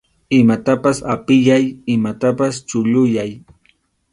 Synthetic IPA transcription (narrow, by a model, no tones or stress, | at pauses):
ɪmat̪apasapɪjajɪmat̪apast͡ʃʊʎʊjaj